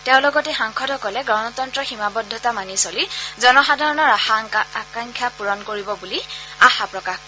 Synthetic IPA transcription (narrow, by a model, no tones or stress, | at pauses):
tɛʊ̃lɔɡɔtɛxaŋkʰɔdɔkɔlɛɡɹɔnɔtɔntɹɔximabɔdʱːɔtamanisolizɔnɔxadʱaɹɔnɔɹakaŋkʰjapuɹɔnkoɹibɔbuliaxapɹɔkax